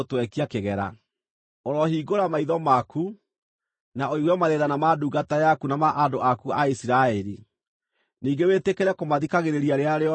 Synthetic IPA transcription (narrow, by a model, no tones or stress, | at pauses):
twɛkiakeɣɛɾa̰ | oɾɔhiːɡoɾamaiðɔmaku | naoiɣwɛmaðeðanamaduɡatajakunamaʔandoʔakuaisiɾaɛɾi | niːŋɡewetekeɾɛkomaðikaɣeɾeɾiaɾeaɾeɔ